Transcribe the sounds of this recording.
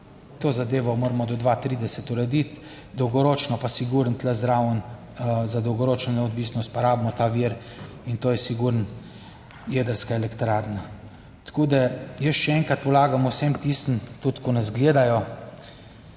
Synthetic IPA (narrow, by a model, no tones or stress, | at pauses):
t̪oːzad̪eːʋɔmoːɾmɔd̪ɔd̪ʋat̪ɾiːd̪ɛsɛt̪uɾɛd̪it̪ | d̪ɔwɡɔɾoːt͡ʃnɔpasiɡuɾənt̪ləzɾawn | zad̪ɔwɡɔɾoːt͡ʃnɔnɛɔd̪ʋiːsnɔst̪̚paɾaːbmɔt̪aʋiɾ | int̪oːjɛsiɡuɾn | jed̪əɾskaɛlɛkt̪ɾaɾna | t̪koːd̪ajəsʃɛɛŋkat̪̚pɔlaːɡamuwsemt̪ist̪n̩t̪ut̪kɔnɛzɡleːd̪ajɔ